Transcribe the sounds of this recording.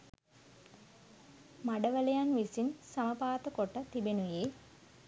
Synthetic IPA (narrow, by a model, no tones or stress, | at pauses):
maɖəʋələjanʋisinsaməpaːt̪əkoʈət̪ibenuje